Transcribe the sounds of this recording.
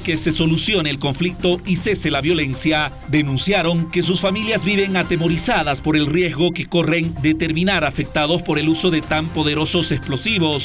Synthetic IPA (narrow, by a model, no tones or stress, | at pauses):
kese̞so̞lusjo̞neːlko̞ɱflik̚t̪o̞ise̞se̞laβjo̞le̞nsja | ðe̞nũnsjaɾo̞ŋke̞susfamiljazβiβe̞ŋat̪e̞mo̞ɾisaðaspo̞ɾe̞lrjezɣo̞ke̞ko̞re̞nd̪e̞t̪e̞ɾmĩnaɾafe̞k̚t̪aðo̞spo̞ɾe̞luso̞ðe̞t̪ampo̞ðe̞ɾo̞so̞se̞splo̞siβo̞s